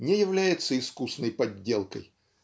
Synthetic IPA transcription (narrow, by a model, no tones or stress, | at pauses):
nʲejɪvlʲæjɪt̪səɪskusnəjpɐdʲːelˠkə̰j